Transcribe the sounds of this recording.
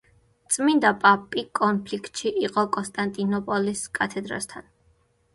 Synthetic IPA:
t̪sʼmind̪apʼapʼikʼɔnpʰlikt̪ʼʃiʔiqʼɔkʼɔnst̪ʼant̪ʼinɔpʼɔliskʼat̪ʰɛd̪ɾa̰st̪ʰan

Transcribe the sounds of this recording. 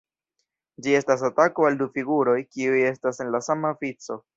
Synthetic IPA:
d͡ʒie̞stasatako̞aldufiɡuɾo̞jkiuje̞stase̞nlasamaofit͡so̞

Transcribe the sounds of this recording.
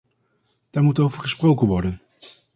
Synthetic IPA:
d̥aːɹmutowvəɹχəsprowkənʋɔɹdən

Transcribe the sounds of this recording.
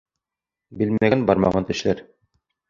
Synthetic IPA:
bilmæɡænbɑɾmɑ̰ʁɑnt̪ɘ̆ʃlæɾ

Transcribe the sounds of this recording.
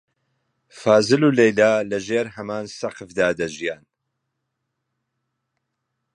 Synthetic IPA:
faːzɨluːlejlaːlɐʒeːɾɦɐmaːnsɐqɨfd̪aːd̪ɐʒijaːn

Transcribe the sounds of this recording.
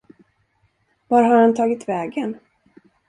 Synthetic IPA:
vaɾhaɾhant̪ʰɑːɡɪt̪vɛːɡən

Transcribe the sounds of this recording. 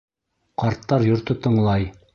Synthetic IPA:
qɑɾt̪ːɑɾjŏɾt̪ɤt̪ɤ̆ɴlˠɑj

